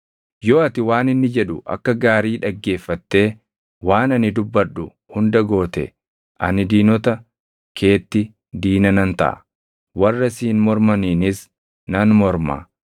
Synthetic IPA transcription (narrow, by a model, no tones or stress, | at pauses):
jo̞ːɐt̪ɪwaːnɪnːɪd͡ʒɛᶑʊ̰ʔɐ̰kːɐɡaːɾiːᶑɐɡːe̞ːfːɐt̪ːe̞ː | waːnɐnɪd̪ʊbːɐɗːʊ | hʊnd̪ɐɡo̞ːt̪ɛ̰ | ʔɐ̰nɪd̪iːnɔt̪ɐ | kʰe̞ːt̪ːɪ | d̪iːnɐnɐnt̪ɐ̰ʔɐ̰ | wɐrːɐsiːnmɔɾmɐniːnɪs | nɐnmɔɾma̰ː